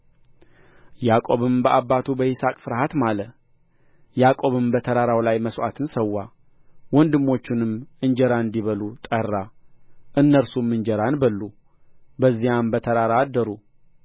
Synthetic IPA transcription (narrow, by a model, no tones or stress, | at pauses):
jakʼo̞βɨmbəʔabːat̪ʰubəʔɪsakʼfɨɾhat̪malə | jakʼo̞βɨmbət̪ʰəɾaɾawlajməswa̰t̪ʰɨnsəwːa | wɔnd̪ɨmːo̞t͡ʃːɪnɨmɨnd͡ʒɛɾaɨnd̪iβəlut̪ʼərːaʔɨnːəɾsumːɨɲd͡ʒɛɾanbəlːu | bəzːijambət̪ʰəɾaɾad̪ːəɾu